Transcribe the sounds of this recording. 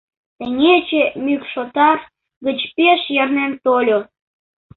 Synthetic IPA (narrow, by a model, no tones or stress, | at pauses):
t̪əŋet͡ɕemykʃot̪ɑr | ɡət͡ɕpeʃjərnent̪olʲo